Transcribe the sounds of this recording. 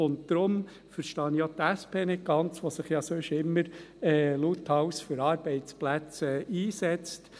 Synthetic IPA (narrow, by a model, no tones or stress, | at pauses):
ʊnt̚tɾʊm | fəɾʃtɑːnjot̪æspʰeːnɪt̚ɡ̥ɑnt͡sʋosɪχjɑsøʃɪmːəɾɛːluthɑwsfʏɾɑːɾb̥ɛɪt͡splæt͡sɛiːsɛt͡st